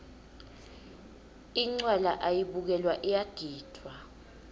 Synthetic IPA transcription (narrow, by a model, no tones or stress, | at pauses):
iŋ͡ǀwalaʔajiɓuk̬ɛlwaʔɛjaɡ̥ʱiːd̥ʰʱwa